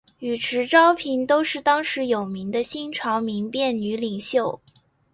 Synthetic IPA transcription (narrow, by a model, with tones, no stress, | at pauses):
y˨˩ʈ͡ʂʰɻ̩˧˥ʈ͡ʂɑ˥ʊpʰi˧˥ŋt̪o˥ʊʂɻ̩˥˩t̪ɑ˥ŋʂɻ̩˧˥jo˨˩ʊmi˧˥ŋd̪ə˧ɕi˥nʈ͡ʂʰɑ˧˥ʊmi˧˥ŋpjɛ˥˩ny˧˥li˨˩ŋɕjo˥˩ʊ